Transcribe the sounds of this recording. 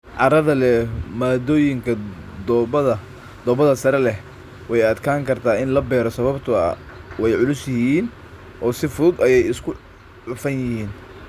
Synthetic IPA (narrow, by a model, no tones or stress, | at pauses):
ʕɑɾɐðɐlɛmaːd̪ɔːjɪŋkʰɐd̪ɐɐ | d̪̥ɔːbɐðɐsɐɾɛlɛh | wɛjɐd̪kʰaːŋkʰɐrt̪ʰaːɪnlɐbɛːɾɔsɐβɐbt̪ʰʊɐ̰wɛjʕʊlʊsjɪhiːn | ʔɔːsɪfʊðʊd̪ɐjɛjɪskʰʊ | ʕʊfɐnjɪhiːn